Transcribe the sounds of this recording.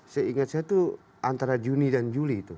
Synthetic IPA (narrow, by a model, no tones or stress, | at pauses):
saiŋat̪̚sajat̪u | ant̪aɾad͡ʒunidand͡ʒuliːt̪u